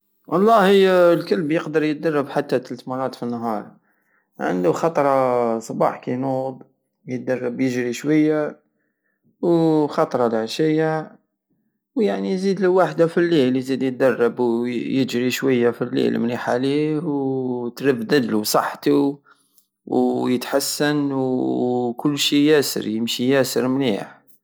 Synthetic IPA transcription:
wʔɑlˤːɑhəjlkəlbjəqd̪əɾˤjət̪̚d̪ɑrˤːɑbħat̪ːat̪ːəlt̪mɑɾˤɑt̪finːɦɑɾˤ | ʕə̰nd̪uxɑt̪ˤɾˤɑsˤɑbɑ̰ħkinub | jət̪̚d̪ɑrˤːɑbjəʒɾiʃwæjːa | wxɑt̪ˤɾˤɑd̪aʕʃəjːa | wjaʕnijzid̪ləwaħd̪afilːilzid̪jət̪̚d̪ɑrˤːɑbwjəʒɾiʃwəjːafilːḭlmniħaliwt̪ɾəbd̪əd̪lusˤɑħːt̪u | wjət̪ħasːənw | kʊlːʃijæsə̰ɾjəmʃijæsəɾmnḭħ

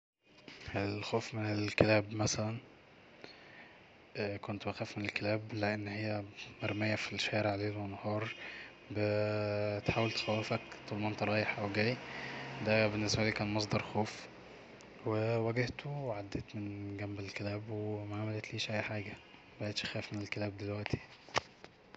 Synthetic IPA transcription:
elxoːfmenelkelæːbmæsælæn | ʔkont̪bæxæːfmenelkelæːbleʔenːhejːæmæɾˤmejːæfiʃæːɾeʕleːwʔenːɑhɑːɾˤ | be | t̪ħaːwelt̪e̥xæwːefækt̪ˤulmɑːnt̪ɾˤɑːjeħʔæwɡæːjd̪æbenːesbæliːkæːnmɑs̬ˤd̪ɑɾˤxoːf | wewæɡeht̪oweʕad̪ːeːt̪menɡæmbelkelæːbwemaʕamælet̪liːʃʔæjːħaːɡææbæʔeːt̪ʃxæːfmenelkelæːb̚d̪elwæʔt̪ʰi̥

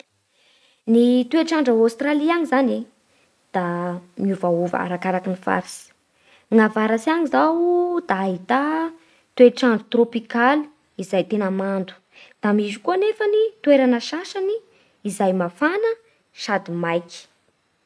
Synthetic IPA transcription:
nit̪ueʈ͡ʂaɳɖ͡ʐəawst̪raliaŋizane | d̪̥amiuvauva̰ɾakaɾakinifa̰ɾisi̥ | ŋavaɾasiaŋizawd̪̥aːɦit̪a | t̪ueʈ͡ʂaɳɖ͡ʐət̪ropikali̥ | izajt̪enəmand̪u̥ | d̪̥amizikuənefənit̪weɾanəʃaʃaniː | zajmafanə | ʃad̪imajki̥

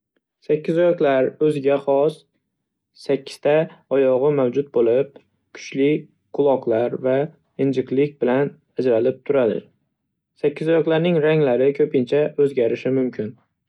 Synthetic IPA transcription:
sakʲʰːɪzɒjɒqlˠaɾɵzɪɡʲaχɒs | sakʲʰːɪ̥st̪ʰaɒjɒʁɨmawd͡ʒʊt̪̚bolɪp̚ | kʰʊ̥t͡ʃlɪ | qʰʊlˠɒqlˠaɾva | ɪnd͡ʒɪqlɪk̚ʲbɪlan | ad͡ʒɾalɪp̚t̪ʰʊɾad̪ɪ̰ | sakʲːɪzɒjɒqlaɾnɪŋɾaŋlaɾɪkʰɵpʰɪnt͡ʃʰaɵzɡʲaɾɪʃɪmʊmkʲʰɪn

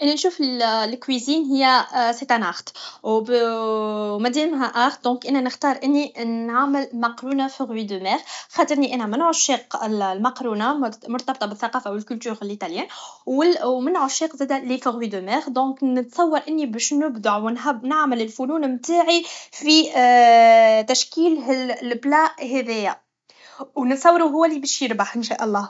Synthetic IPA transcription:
ʔɪnænʃuːfɪlkwiziːnɦɪjːæset̪ænaxt̪ | mæd̪ɛːmɦæʔaxt̪̚d̪ɔ̃ːkʔɪnænəxt̪ɑːɾˤʔɪnːinʕaməlmɑqɾuːnafɪɣwid̪ømɛːɣxɑt̪ˤəɾˤniʔænæmɪnʕʊʃːiːqɪllmɑqɾuːnamʊɾt̪ɑbt̪ˤɑbɪθːaqɑːfawɪlkʊlt̪yːʁɪlʔit̪aljɛːnwɪmɪnʕʊʃːiːqzæːd̪ælifəɣwid̪ømɛːɣd̪ɔ̃ːknɪt̪sˤɑwːɑɾʔɪnːibɛːʃnʊbd̪aʕwnnaʕməlɪlfunuːnmt̪aːʕifi | t̪æʃkiːlɪlblɑːʔɦɛðɛjæ | wnət̪sˤɑwːɑɾuɦʊwːælibæʃjəɾbaħʔɪnʃæʔɑlˤːɑː

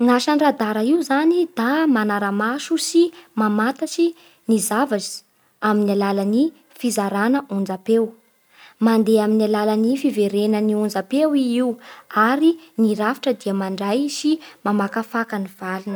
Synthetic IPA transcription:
ŋaʃaɳrad̪aɾaiuzanid̪̥amanaɾamaʃusimamat̪asi | nizavazi̥ | aminalalani | fizaɾanəund͡zapew | mand̪eaminalalanifiveɾenəniund͡zapewiiwaɾiniɾafi̥ʈ͡ʂəd̪iəmaɳɖ͡ʐajsimamakafakaniv̥alunə

